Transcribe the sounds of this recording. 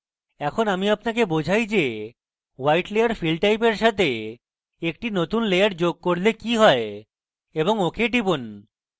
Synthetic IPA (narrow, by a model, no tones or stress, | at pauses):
ɛkʰonamiapnakebod͡ʑʱajd͡ʑe | wajʈlejaɾfilɖ̚ʈajpeɾʃat̪ʰe | ek̚ʈinot̪unlejaɾd͡ʑoɡ̚koɾlekiɦɔe | eboŋokeʈibun